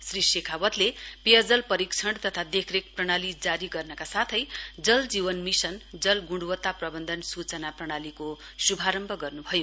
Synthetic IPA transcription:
srisekʰawʌt̪lepejʌd͡zʌlpʌɾikt͡sʰʌɳɖt̪ʌt̪ʰad̪ekʰrek̚prʌɽ̃alid͡zaɾiɡʌrnʌkasat̪ʰʌjd͡zʌld͡zibʌnmisʌnd͡zʌlɡuɳɽuwʌt̪ːaprʌbʌnd̪ʱʌnsut͡sʌnaprʌɽ̃aliko | subʱaɾʌmbʱʌɡʌrnubʱʌjo

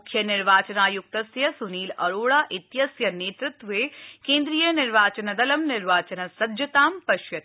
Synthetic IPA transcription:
mkʰjɐnɪɾʋaːt͡ʃɐnaːjʊk̚t̪ɐsjɐsuniːlɐɾoːɭaːʔɪt̪jɐsjɐneːt̪ɾɪt̪ʋeːkẽːnd̪ɾiːjɐnɪɾʋaːt͡ʃɐnɐd̪ɐlɐmnɪɾʋaːt͡ʃɐnɐsɐd̪d͡ʒɐt̪aːmpɐʃjɐt̪

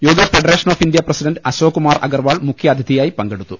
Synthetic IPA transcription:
joːɡɐfeɖɐɾeːʂɐno̞ːfind̪jɐprɐsiɖɐnɖɐɕoːkumaːrɐ̰ɡɐrʋaːɭmukʰjɐɐd̪ʱjid̪ijaːjipɐŋɡe̞ɽut̪ːu

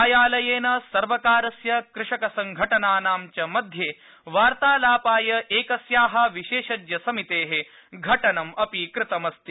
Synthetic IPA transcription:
jaːlɐjeːnɐsɐɾʋɐkaːɾɐsjɐkɾɪʂɐkɐsɐŋɡʱɐʈɐnaːnaːmt͡ʃɐmɐd̪ʱjeː | ʋaːɾt̪aːlaːpaːjɐʔeːkɐsjaːɦɐ̆ʋiʃeːʃɐd͡ʒjɐsɐmit̪eːɦe | ɡʱɐʈɐnɐmɐpikɾɪt̪ɐmɐst̪i

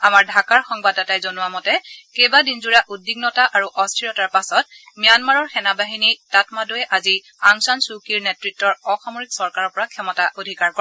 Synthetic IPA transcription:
amaɹdʱakaɹxɔŋbadatajzonʊwamɔtɛkejbadinzuɹaʔudːiɡnɔtaʔaɹuʔɔstʰiɹɔtaɹpasɔt̚ | mijanmaɹɔɹxɛnabaɦinitatmadojɛʔazi | aŋsansukiɹnɛtɹitːɔɹɔxamoɹiksɔɹkaɹɔɹpɔɹakʰɛmɔtaʔodʱikaɹkɔ

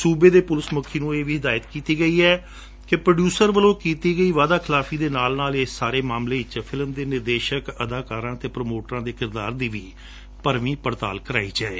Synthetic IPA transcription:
suːbeːd̪eːpʊlɪsmʊkʰːiːnũːeːʋiːɦɪd̪aːjət̪kiːt̪iːɡəiːɛː | kɪpɾəɖjuːsəɾʋəlõːkiːt̪iːɡəiːʋaːd̪aːkʰɪlaːfʰiːd̪eːnaːlnaːleːaːɾeːmaːmleːɪt͡ʃpʰɪlmd̪eːnɪɾd̪eːʃəkəd̪aːkaːɾãːt̪eːpɾəmoːʈɾãːd̪eːkɪɾd̪aːɾd̪iːʋiː | pəɾʋĩːpəɾt̪a̰ːlkəɾa̰ːiːd͡ʒaːeː

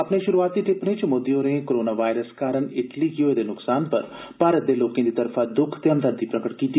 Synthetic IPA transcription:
əpɳeːʃʊɾuaːt̪̚ːiːʈɪpnẽːt͡ʃmʊd̪ːejõːɾẽːkoɾoːnaːʋaːjɾəskaːɾəɳɪʈliːkɪoeːd̪eːnʊksaːnpə̰ɾ | paːɾət̪̚d̪eːloːkẽːd̪iːt̪əɾfʰaːd̪ʊkʰt̪eːə̃nd̪əɾd̪iːpɾəkəʈkiːt̪i

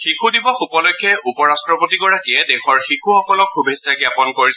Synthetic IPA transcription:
xikʰudibɔxupɔlɔjkʰːjɛʔupɔɹastɹɔpotiɡɔɹakiɛdexɔɹxikʰuxɔkɔlɔkxubʱesaɡjapɔnkoɹis

